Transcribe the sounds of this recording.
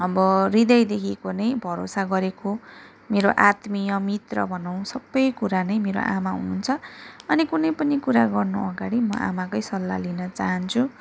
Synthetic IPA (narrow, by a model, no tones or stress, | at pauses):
ʌbʌrid̪ʌjd̪ekʰikonʌjbʱʌɾosaɡʌɾeko | meɾoʔat̪mijʌmit̪rʌ̰bʱʌnaw̃sʌbːʌjkuɾanʌjmeɾo̰ʔamaɦṵnunt͡sʰʌʌnikunʌjpʌnikuɾaɡʌrnuʔʌɡaɽimʌ̰ʔa̰makʌjsʌlːa̰linʌt͡saɦʌnt͡sʰu